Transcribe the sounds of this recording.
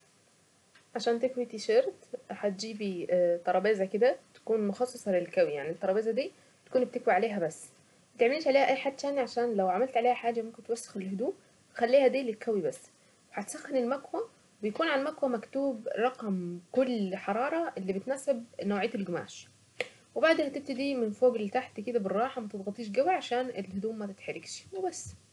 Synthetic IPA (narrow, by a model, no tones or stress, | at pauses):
ʕaʃæːnt̪ekwit̪iʃeɾt̪ħat̪̚d͡ʒiːbit̪ˤɑɾˤɑbeːzæked̪æt̪æ̥kuːnmoxɑsˤːesˤɑlelkæwijaʕnit̪ːɑɾˤɑbeːzæd̪iː | t̪æ̥kuːnb̚t̪ekwiʕaleːɦæbæsː | t̪eʕmeliːʃʕaleːhæʔæjːħaːd̪ːʃæːniʕaʃæːnlæwʕamælt̪ʕaleːhæħaːd͡ʒæmomkent̪wæsːe̥xelhod̪uːʔ | xælːiːhæd̪iːlːit̪kʰːæwibæsː | weħæt̪sæxːɪnɪlmækwæ | bɪjkuːnʕanmækwæmækt̪uːbɾˤɑqɑmkʊlːħɑɾˤɑːɾˤɑʔelːiːbet̪næːsebnowʕejːt̪elɡʊma̰ːʃ | webaʕd̪mhæt̪eb̚t̪id̪iːmɪnfoːɡlːt̪aħt̪iked̪æbɪrˤːɑːħɑmæt̪ed̪ɣɑt̪ˤiːʃ̬ɡæwiʕaʃæːnelhʊd̪uːʔmæt̪ɪt̪ħaɾɪɡʃmubæsː